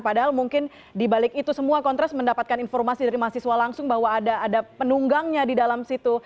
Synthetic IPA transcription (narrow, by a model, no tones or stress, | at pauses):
padaɦalmuŋkɪn | dibalɪkit̪usəmuakɔnt̪ɾɛsməndapat̪̚kaninfɔrmasidaɾimaɦasiswalaŋsʊŋbahwaːdaʔːdapənuŋɡaŋɲadidalamsit̪u